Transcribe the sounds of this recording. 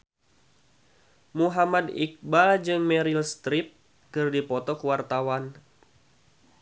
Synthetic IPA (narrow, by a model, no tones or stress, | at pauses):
muɦamadḭk̚bad͡ʒɨŋmɛɾilst̪ɾɪp̚ | kɨrdipɔt̪ɔkəwart̪awan